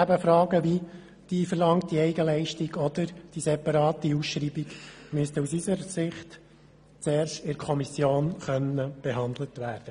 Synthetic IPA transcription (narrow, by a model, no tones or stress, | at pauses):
æbəfɾɑːɡəʋi | d̥iːfəɾlɑŋt̚d̥iɛɪɡəlɛɪʃtiɡɔd̥̪əɾd̥isɛpɑɾɑːtiusʃɾiːbiɡmʏst̪əusisəɾsɪχt | t͡seːɾʃtɪɾkʰɔmisjoːnχœnəb̥ɛɦɑnd̪lətʋæːɾd̥ə